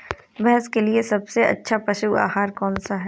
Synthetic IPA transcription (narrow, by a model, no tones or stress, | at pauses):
bɛɦɛskeliesɐbseʔɐ̰tːʃʰapɾɐʃuwa̰ːɦaːɾkɔːnsaɦɛː